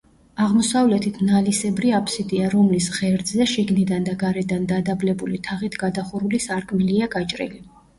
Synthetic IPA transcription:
aʁmɔsavlɛt̪ʰit̪ʰnalisɛbɾiapʰʼsid̪iaɾɔmlisʁɛɾd̪zɛʃiɡnid̪and̪aɡaɾɛd̪and̪ad̪ablɛbulit̪ʰaʁit̪ʰɡad̪aχuɾulisaɾkʼmiliaɡat͡ʃʼɾḭli

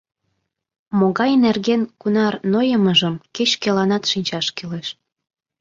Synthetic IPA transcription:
moɣɑjnerɣenkunɑrnojəməʒəmket͡ɕkelɑnɑt̪ʃinʲt͡ɕɑʃkileʃ

